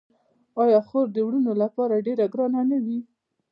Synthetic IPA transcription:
ɑjɑxoɾd̪əwɽunolapɑɾaɖeɾaɡɾɑnanawi

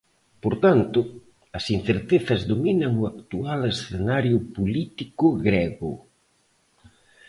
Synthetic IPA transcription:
poɾt̪ant̪ʊ | ɐsin̟θeɾt̪eθɐzðominɐŋʊakt̪ualesθenaɾjʊpolit̪ikʊɣɾɛɣʊ̰

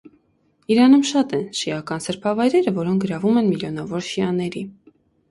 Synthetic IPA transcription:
iɾɑnumʃɑt̪ɛnʃiɑkɑnsəɾpʰɑvɑjɾɛɾəvɔɾɔŋk̚ʰɡəɾɑvumɛnmiljɔn̪ɑvɔɾʃiɑnɛɾi

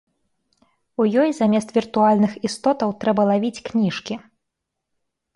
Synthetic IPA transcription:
ujɔjzamʲɛst̪vʲirt̪ualʲnɨxist̪ɔt̪ɐwt̪ɾɛbɐlˠavʲit͡sʲknʲiʂkʲi

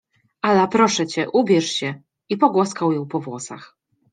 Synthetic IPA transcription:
alapɾɔʂɛt͡ɕɛʔubʲjɛʂɕɛ | ipɔɡwɔskawjɔ̃w̃pɔvwɔsa̰x

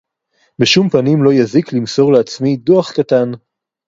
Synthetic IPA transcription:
beʃumpanimlo̞jaziklimso̞ʁleat͡smidoaχkatan

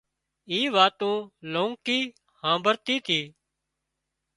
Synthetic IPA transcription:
iːʋaːt̪õːlõːŋkiː | hãːbəɾt̪iːt̪ʰiː

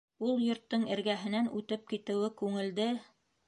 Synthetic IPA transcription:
ulˠjŏɾt̪ːɤɴɘ̆ɾɡæɦɘ̆nænʉt̪ɘp̚kit̪ɘ̆wɘkʉŋɘ̆ld̪ɘ

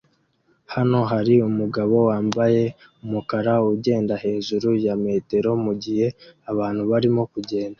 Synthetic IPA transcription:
hano̞ɦaɾiumuɡaβo̞waːmbaje̞ | umukaɾauɟe̞ːndahe̞ːʒuɾujame̞ːte̞ɾo̞muɟihe̞aβaːn̥huβaɾimo̞kuɟe̞ːnda

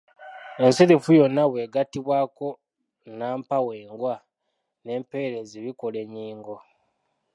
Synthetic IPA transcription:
e̞nsiðefujo̞nːaβwe̞ːɡatiβwaːko̞ | naːmpaweːŋɡwa | ne̞ːmpeɾe̞ziβikole̞ɲiːŋɡo̞

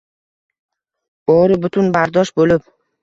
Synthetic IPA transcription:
bɒɾɪbʊt̪ʰʊnbaɾd̪ɒʃbolɪp̚

